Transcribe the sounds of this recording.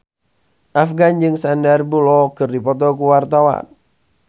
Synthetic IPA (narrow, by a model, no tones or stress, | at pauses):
ʔafɡand͡ʒɨŋsandarbulɔkɨrdipɔt̪̬ɔkuwart̪awa̰n